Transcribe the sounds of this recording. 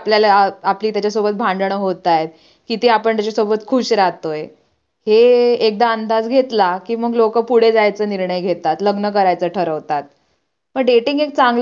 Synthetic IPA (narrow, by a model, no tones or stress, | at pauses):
pljalaapliːt̪jat͡ɕasobət̪̚bʱãɳɖ̪ɳ̃əɦot̪ajet̪̚ | kit̪eapəɳt̪jat͡ɕasobət̪kʰuːɕɾat̪oj | heek̚d̪aənd̪ad͡zɡʱet̪lakiːməɡlokəpuɽ̤ed͡zajt͡səːniɾɳəjɡʱet̪at̪ləɡnək̬əɾajt͡səʈʰəɾəʋt̪at̪̚ | məɡɖeʈiŋɡek̚t͡sãŋɡl